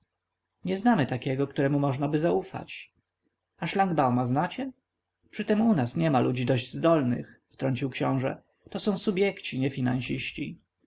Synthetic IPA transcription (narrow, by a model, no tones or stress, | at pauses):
ɲɛznamɘt̪akʲɛɡɔkt̪uɾɛmumɔʐnabɘzaufa̰t͡ɕ | aʂlaŋɡbawmaznat͡ɕɛ | pʂɘt̪ɛmunasɲɛmalʔud͡ʑid̪ɔʑd͡ʑzd̪ɔlnɘ̰xft̪ɾɔɲt͡ɕiwkɕɔ̃w̃ʐɛ̰ | t̪ɔsɔ̃w̃subʲjɛkt͡ɕiɲɛfʲinañɕiɕt͡ɕi